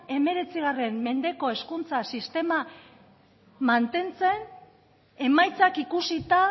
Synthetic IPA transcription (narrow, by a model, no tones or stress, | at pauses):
e̞me̞ɾe̞t͡siɣare̞mme̞nd̪e̞ko̞e̞skunt͡sasist̪e̞ma | mant̪e̞nt͡se̞n | e̞majt͡sakikusit̪a